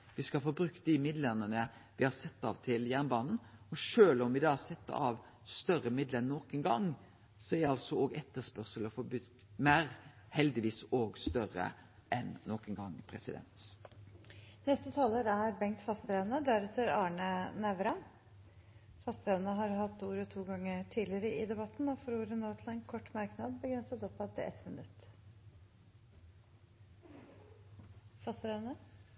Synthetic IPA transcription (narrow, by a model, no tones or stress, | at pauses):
ʋɪskɑfɔbɾʉkt̪̚d̪ɪmɪd̪lɛnənəʋɪhɑɾsɛt̪ːɑ̰ːʋt̪ʰɪljæʁnbɑːnn̩ɔʂøːlɔmʋɪd̪ɑːsɛt̪ːəɑ̰ʋ | st̪œɾəmɪd̪lənnːɔkɛnɡɑŋ | sɔɛʁdɛɑlsɔoːɡɛt̪ːəspœʁsəlɔfɔbʉ | mæːʁ | hɛld̪ɪʋiːsoɡst̪œɾə̰ | ʔɛnːɔkɛnɡɑŋːpʰɾɛsɪd̪ɛ̰nt̪ | nɛst̪ət̪ʰɑːloːɾæɾbɛŋkt̪fɑst̪ɾeːʋənəd̪æɾɛt̪ːəɾɑːɳənæʋɾɑ | fɑst̪̚ɾeːʋənəɦɑɾɦɑt̪ːuːɾɔt̪ʰuːɡɑŋːəʈʰiːlɪəɾəɪd̪ɛbɑt̪ːn̩ɔfɔɾuːɾənoːt̪ʰlɛnkʰɔʈːmɑɾknɑd̪bəɡɾɛnsət̪ɔpːɑt̪ɪɛ̰t̪mɪnʉt̪ː | fɑst̪ɾeːʋnə